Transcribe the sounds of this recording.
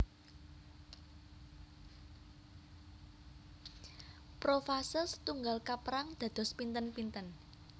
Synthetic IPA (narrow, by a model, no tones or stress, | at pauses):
pɾofasəst̪uŋɡalkapəɾaŋd̪̥ä̤d̪̥ɔ̤spint̪ənpint̪ən